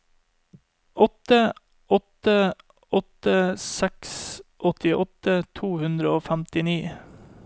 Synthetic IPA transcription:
ʔɔt̪ə | ɔt̪ə | ɔt̪əsɛksʔɔt̪ɪʔɔt̪ət̪ʰuːhʉnd̪ɾəoːfæmt̪ɪniː

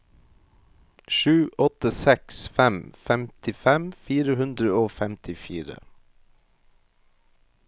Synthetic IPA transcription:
ʃʉːʔɔt̪əsɛksfɛmfɛmt̪ɪfɛmfiːɾəhʉnd̪ɾəoːfɛmt̪ʰɪfiːɾə̰

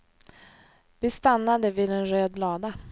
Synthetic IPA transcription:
vɪst̪anːad̪əvɪːd̪ɛnɾøːd̪lɑːd̪a

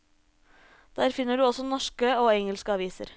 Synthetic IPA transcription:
d̪̥æːɾfɪnəɖʉːɔsɔnɔʃkəoːɛŋəlskəɑʋiːsə̰ɾ

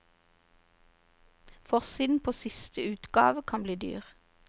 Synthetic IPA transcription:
fɔʁsiːd̪n̩pʰoːsɪst̪əʉːt̪ɡɑ̰ːʋəkʰɑnbliːd̪y̰ːʁ

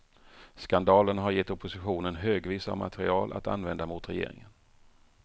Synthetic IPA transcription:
skand̪ɑːlənɦaɾjɛt̪ːɔpʰːʊsɪɧuːnənɦøːɡviːsa̰vma̰t̪ʰɛɾɪɑːlʔa̰t̪a̰nvɛnd̪amʊt̪ɾɛjḛːɾɪ̰ŋən

